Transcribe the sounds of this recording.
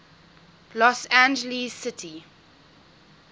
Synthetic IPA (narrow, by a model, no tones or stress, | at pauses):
lɔsæ̃nd͡ʒəlizsɪtʰi